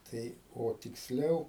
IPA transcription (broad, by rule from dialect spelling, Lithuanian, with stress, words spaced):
ˈtɐɪ oː tʲɪksʲˈlʲɛʊ